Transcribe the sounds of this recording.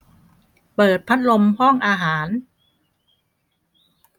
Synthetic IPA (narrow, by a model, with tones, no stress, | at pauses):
pɤː˨˩t̪̚pʰa˦˥t̪̚lo˧mhɔ˥˩ŋʔaː˧ɦaː˩˦n